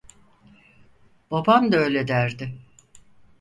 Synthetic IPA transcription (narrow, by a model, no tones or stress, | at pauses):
b̥abamd̪aøːlʲed̪æɾd̪ɪ